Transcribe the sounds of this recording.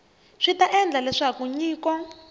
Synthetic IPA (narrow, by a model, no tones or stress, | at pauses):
ʂitaʔɛnd͡ɮalɛʂakuɲiːkɔ